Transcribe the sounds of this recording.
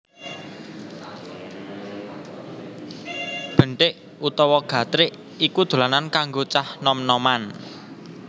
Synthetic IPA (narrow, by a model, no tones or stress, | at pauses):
b̥ə̤ɳʈɪʔ | ut̪ɔwɔɡ̥ä̤t̪ɾɪʔ | ikud̪̥o̤lanankaŋɡot͡ʃahnɔmnɔman